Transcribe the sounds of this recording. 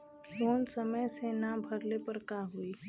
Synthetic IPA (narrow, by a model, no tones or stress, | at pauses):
loːnsəməjsenabʱɐɾlepəɾkaɦuiː